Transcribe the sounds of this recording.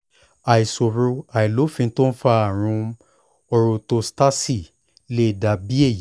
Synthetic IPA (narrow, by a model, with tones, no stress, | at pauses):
a˨i˨so˨ɾo˧a˨i˨lo˨˦fĩ˧n̩˦to˦n̩˦fa˧˦a˦˨ɾ̃ũ˧ | ɔ˧ɾo˧to˧sta˦si˦˨ | le˦˨da˧bi˦e˦˨ji˨˦